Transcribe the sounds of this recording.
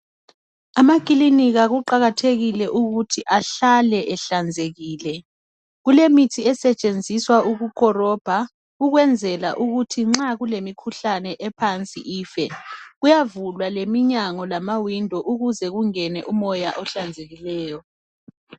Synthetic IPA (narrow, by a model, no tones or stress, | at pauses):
amakʼiliniɣaɣuǃaɣatʰeɣilɛʔuɣutʰiʔaɬalɛʔɛɬand͡zʱeɣiːlɛ | ɣulemitʰiɛsɛt͡ʃʼend͡zʱiswauɣukʼɔrɔb̥ʱa | ɣuɣwɛnd͡zʱɛlaʔuɣutʰiŋ͡ǁaɣulemikʰuɬanɛʔɛpʰant͡sʼḭʔiːfɛɣujavulwalemiɲaŋɔlamawindʱɔʔuɣuzɛɣuŋɛnɛʔumɔjaʔɔɬand͡zʱeɣilɛːjɔ